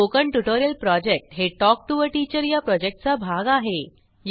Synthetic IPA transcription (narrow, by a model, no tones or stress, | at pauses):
okəɳʈuʈoɾijəlpɾɔd͡ʑek̚ʈɦeʈɔk̚ʈuʋəɾʈit͡ɕəɾjapɾɔd͡ʑek̚ʈ̚t͡sabʱaɡaɦe | j